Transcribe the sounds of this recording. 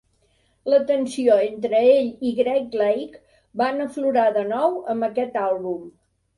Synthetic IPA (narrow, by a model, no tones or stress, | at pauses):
lət̪ənsioent̪ɾəeʎiɣɾɛk̚lɛjk | banəfluɾaðənɔwəmbəkɛt̪alˠβum